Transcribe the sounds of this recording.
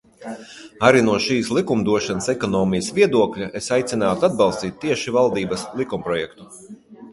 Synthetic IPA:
aɾinuɔʃiːslˠikumd̪uɔʃanəsɛkɔnɔːmijɐsvʲiɛd̪uɔklʲaʔesajt̪sinaːt̪uad̪̚bɑlˠst̪iːt̪̚ʲːiɛʃivalˠd̪iːbɐslˠikumpɾɔjɛkt̪u

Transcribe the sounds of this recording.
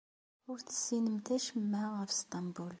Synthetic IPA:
ʊɾt̪sinəmt̪ʰæʃmːæʁafst̪ˤɑmbul

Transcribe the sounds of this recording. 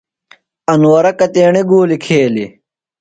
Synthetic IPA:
ɐnwɐɾɐkɐt̪eːɳiɡuːlikʰeːli

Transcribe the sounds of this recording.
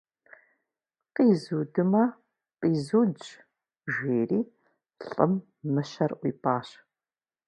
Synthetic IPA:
qiːzuːdɨmɐ | qʼiːzuːd͡ʒ | ʒʷeːriː | ɬʼə̰mː | ɨɕɐrʔʷḭːpʰaːɕ

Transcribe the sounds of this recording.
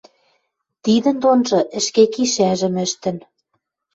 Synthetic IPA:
t̪iðə̆nd̪onʒɤ̆ʔɘ̆ʃkekiʃæʒɘ̆mɘ̆ʃt̪ɘ̆n

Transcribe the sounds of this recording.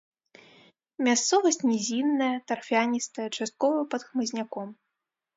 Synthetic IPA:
mʲast̪sɔvɐsʲt͡sʲnʲɛzʲinːɐjɐt̪ɐrfʲianʲist̪ɐjɐt͡ʂast̪̚kɔvɐpɐt̪xmɨzʲnʲakɔm

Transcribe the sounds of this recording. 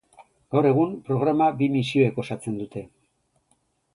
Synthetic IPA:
ɡ̥awɾe̞ɣ̞umpɾo̞ɣ̞ɾamabimisio̞eko̞sat͡se̞nd̪ut̪e̞

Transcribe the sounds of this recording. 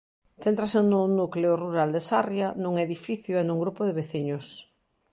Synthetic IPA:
θent̪ɾasenʊnukleoruɾald̪esarjanũŋeðifiθjʊenuŋɡɾupʊðeβeθiɲʊs

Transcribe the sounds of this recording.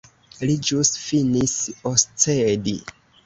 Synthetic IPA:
lid͡ʒusfinisost͡sedḭ

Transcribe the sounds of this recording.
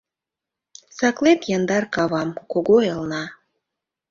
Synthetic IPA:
sɑklet̪jɑnd̪ɑrkɑβɑmkoɣoelnɑ

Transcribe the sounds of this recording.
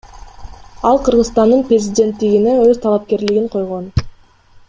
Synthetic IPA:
ɑlˠqʰɯɾʁɯzst̪ɑnd̪ɯnprʲezʲidʲe̞nt̪ːiɡine̞øzt̪ʰɑlˠɑp̚ke̞ɾliɡiɴqʰo̞jʁo̞n

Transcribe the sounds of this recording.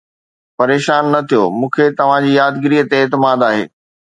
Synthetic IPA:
pɐɾeːʃaːnːɐt̪ʰijomũːkʰet̪ɐʋ̤ãd͡ʑiːjaːd̪ɡɪɾiːət̪eːt̪ɪmaːd̪aːɦḛː

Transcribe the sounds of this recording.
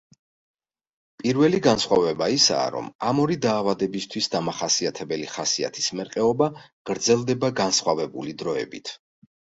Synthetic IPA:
pʼiɾvɛliɡansχwavɛbaisa̰ːɾɔ̰mamɔɾid̪aːvad̪ɛbist̪ʰwisd̪amaχasiat̪ʰɛbɛliχasia̰t̪ʰismɛɾqʼɛɔba | ɡ̥ɾd̪zɛlˠd̪ɛbaɡansχwavɛbulid̪ɾɔɛ̰bit̪ʰ

